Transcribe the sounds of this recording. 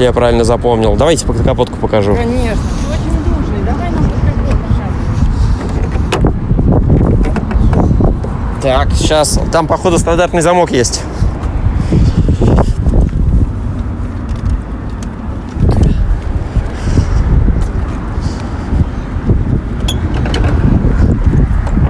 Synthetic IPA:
japɾavʲɪlʲnəzɐpo̞mnʲɪlˠd̪ɐvajtʲɪ̥pəkɐpo̞t̪̚kʊ̥pəkɐʐukɐnʲeʂnəot͡ɕɪnʲd̪ɾuʐnɨd̪ɐanit̪oɐdʲeəɕas | t̪akɕast̪ampɐxo̞d̪əst̪ɐnd̪art̪nɨjzɐmo̞kjesʲtʲ

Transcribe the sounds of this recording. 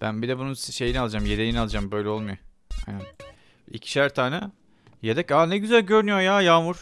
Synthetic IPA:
b̥ænbid̪ɛbununsʃe̞jinialˠɯd͡ʒamjed̪ejinalˠɯd͡ʒambø̞jlʲɛo̞lˠmujo | ha̰næn | ḭcʰi̥ʃæɾt̪ʰaːnɛ | jed̪ɛcanɛɟyzælʲɟø̞ɾynyjojaːjaːmuɾ̥

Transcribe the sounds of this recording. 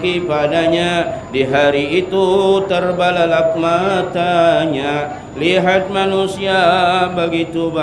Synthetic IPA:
kipadaɲadiɦaɾiːt̪ut̪ərbalalap̚mat̪aɲa | liɦat̪̚manusiabəɡit̪uba

